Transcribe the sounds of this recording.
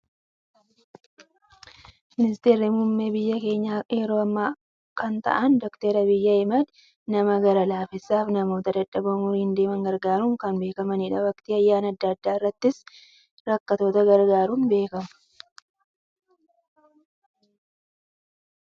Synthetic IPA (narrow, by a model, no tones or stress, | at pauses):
mɪnɪst̪e̞ːɾɪmumːe̞ːbɪjːɐke̞ːɲːaːʔeːɾoːɐmːa | kɐnt̪ɐ̰ʔɐnd̪ɔkt̪eːɾɐbɪjːɐɛmɐd̪ | nɐmɐɡɐɾɐlaːfɪsːaːfnɐmo̞ːt̪ɐd̪ɐᶑɐbɐmuɾɪnd̪e̞ːmɐŋɡɐɾɡaːɾuŋkɐnbe̞ːkɐmɐniːᶑɐwɐkt̪iːɐjːaːnɐd̪ːɐːd̪ːaːɪrːɐt̪ːɪs | ɾɐkːɐt̪o̞ːt̪ɐɡɐɾɡaːɾuːnbe̞ːkɐmɐ̥